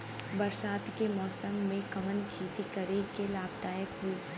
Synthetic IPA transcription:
bɐɾsaːt̪kemɔːsəmːẽkɐʋənkʰeːt̪ikəɾekelaːb̚d̪aːjəkɦui

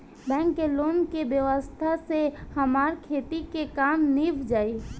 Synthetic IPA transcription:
bɛ̃ːŋkːeloːnkebjəʋəst̪ʰasehəmaːɾkʰeːt̪ikekaːmnibʱd͡ʒaːi

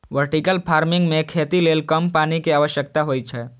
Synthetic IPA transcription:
ʋəɾʈikəlpʰaːɾmɪ̃ŋɡmẽkʰeːt̪ileːlkəmpaːnikiaːʋəʃjək̚t̪aɦoːit͡ʃʰɛ

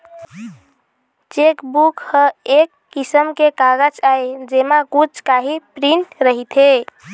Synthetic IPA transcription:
t͡ʃekbukhəekːisəmkekaɡəd͡ʒaed͡ʒemakut͡ʃkaɦipɾiɳʈɾəɦit̪ʰe

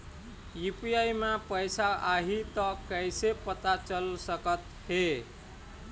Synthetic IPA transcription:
jupiaijmepəjsaaɦit̪əkəjsepət̪at͡ʃəlsəkət̪ | he

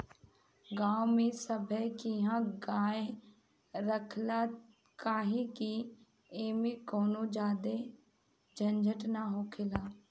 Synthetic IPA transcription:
ɡaːwmẽːsəbʱəkiɦãːɡaːe | ɾəkʰlaː | kaːɦĩːki | eːmẽːkoːnõːd͡ʒaːd̪e | d͡ʒʱənd͡ʒʱəʈnaːɦoːkʰɪlaː

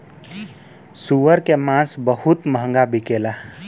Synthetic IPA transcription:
suʋəɾkemãsbəɦut̪məɦə̃ŋɡabʱikela

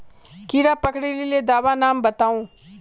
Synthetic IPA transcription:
kiɾapɐkɽililed̪aːbanaːmbɐt̪aːũ

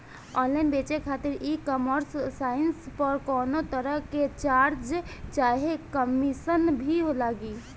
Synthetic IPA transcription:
ɔnlaɪnbet͡ʃekʰat̪iɾikəməɾssainspəɾkɔnot̪əɾəɦket͡ʃaɾd͡ʒt͡ʃaɦekəmisənbʱiɦolaɡi

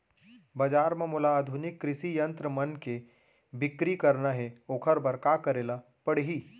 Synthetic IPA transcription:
bɐd͡ʒaːɾmɐ̃mʊlaːd̪ʱʊnɪkːɾɪʃijɐ̃nt̪ɾəmɐnke | bɪkɾikɐɾnaɦɛoːkʰəɾbɐɾkaːkɐɾeːla | pɐɽɦiː

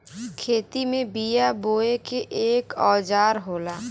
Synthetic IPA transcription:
kʰeːt̪imẽbijaboːekeʔeːkɔːd͡ʒaːɾɦoːlaː

